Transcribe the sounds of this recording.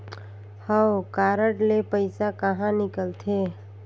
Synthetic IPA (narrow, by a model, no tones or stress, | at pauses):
həwkaːɾəʈlepəɪsakəɦãnɪkəlt̪ʰe